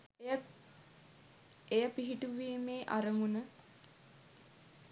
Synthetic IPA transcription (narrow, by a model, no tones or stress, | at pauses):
ejəpiɦiʈuʋiːmeːʔa̰ɾəmunə